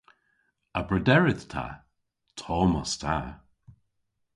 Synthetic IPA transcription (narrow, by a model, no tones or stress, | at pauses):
əbɹədɛɹɪðtʰa̰ | tʰɔːmɔstʰa